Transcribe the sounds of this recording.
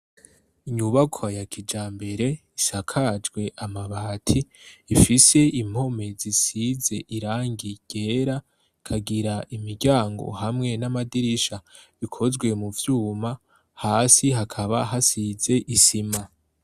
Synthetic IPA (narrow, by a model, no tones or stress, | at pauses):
iɲuβakʰajakʰid͡ʒaːmbe̞ɾe̞ | isakʰad͡ʒɡwe̞ʔamaβaːtʰiːfise̞im̥o̞me̞zisize̞ʔiɾaːŋɡiɡ̥e̞ɾa | kʰaɡiɾaʔimiɾɟaːŋɡo̞̰hamŋe̞namadiɾiʃaβikʰo̞zɡwe̞muvjuːma | haːsiɦakʰaβaɦasize̞ʔisima